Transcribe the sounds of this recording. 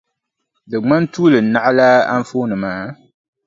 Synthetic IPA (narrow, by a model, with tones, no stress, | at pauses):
dɨ˨ŋ͡ma˦n˦tuː˦lɨ˨n̩˨nːa˦ʔa˦la˦a̰˦ɱ̩˦foː˦nɨ˨maː˨˦